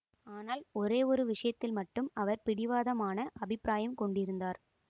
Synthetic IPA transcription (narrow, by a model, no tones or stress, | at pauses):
aːnaːlɔɾeːɔɾɯʋɪʂɐjɐt̪ːɪlmɐʈːɯmɐʋɐɾpɪɽɪʋaːðɐmaːnɐʔɐbɪpːɾaːjɐmkɔɳɖɪɾɯnd̪aːɾ